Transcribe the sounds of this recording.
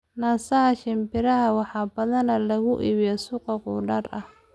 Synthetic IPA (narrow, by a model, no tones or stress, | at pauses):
naːsɐɦɐʃɪmbɪɾɐɦɐwɑħɑːbɐðɐnɐlɐɣʊʔḭːβjɛsʊqɑqʊːɖɐrɐh